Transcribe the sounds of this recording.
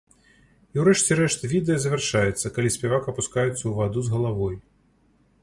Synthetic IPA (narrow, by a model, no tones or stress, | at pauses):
iwɾɛʂt͡sʲɛɾɛʂt̪vʲid̪ɛjɐzɐvʲɛrʂajɛt̪sːɐkalʲisʲpʲɛvakɐpuskajut̪sːɐwvad̪uzɣɐlˠavɔj